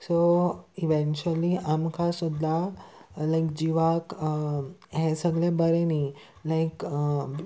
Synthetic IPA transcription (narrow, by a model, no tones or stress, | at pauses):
soiʋɛ̃nt͡ʃuəliamkʰasud̪ʱːalajkd͡ʑiʋak | ɦesəɡɭebəɾeni | lajk